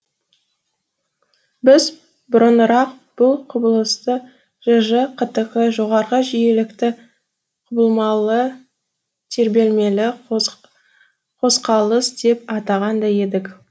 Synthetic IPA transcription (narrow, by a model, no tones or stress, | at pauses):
bɪz | bʊɾənɾɑq̚ | b̥ʊlˠqʰʊbəlˠəst̪ə | ʒ̥əʒəqʰət̪əʁəʒo̞ʁɑɾʁəʒije̞lɪkt̪ɪ | qʰʊbəlˠmɑlˠə | t̪ʰe̞ɾbe̞lme̞lɪ | qʰo̞sqɑlˠəsd̪̥e̞pɑt̪ɑʁɑnd̪ɑje̞d̪ɪk